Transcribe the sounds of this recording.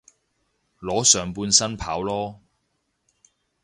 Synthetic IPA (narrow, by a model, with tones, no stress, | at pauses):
lɔː˨˥sœː˨˩ŋpuː˧nsɐ˥npʰaː˨˥wlɔː˥